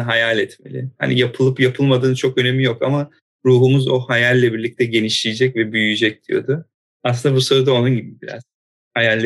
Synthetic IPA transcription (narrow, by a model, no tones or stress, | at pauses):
ɦajalʲɛt̪me̞̰lʲɪ̰ha̰nḭjapʰɯlˠɯpjapʰɯlˠmad̪ɯːnt͡ʃʰo̞kø̞ne̞mijokama | ɾuːɦumuzo̞hajalʲːɛbiɾlʲic̚t̪ʰɛɟe̞niʃlʲijid͡ʒɛcvɛbyjyd͡ʒɛc̚d̪̥ijo̰d̪ʊ | aslɯnd̪abuso̞ɾud̪ao̞nunɟibibiɾa̰z̥ | hajalʲː